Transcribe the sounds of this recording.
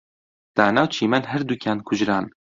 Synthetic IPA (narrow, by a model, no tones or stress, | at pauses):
d̪̥aːnaːwt͡ʃʰiːmɛnɦɛɾd̪ukʲʰaːnkʰʊʒɾaːn